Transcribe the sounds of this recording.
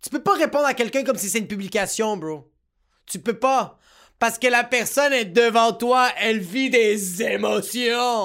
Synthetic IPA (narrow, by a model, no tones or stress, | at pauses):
t̪y̥pøpaʁepɔ̃d̪ʁakʲɛlkʲœ̃kɔmsisɛt̪ynpyblikʲasjɔ̃bʁo | t̪ypøpa | paʁsə̥kəlapɛʁsɔnɛd̪əvɑ̃t̪waɛlvid̪ezemɔsjɔ̃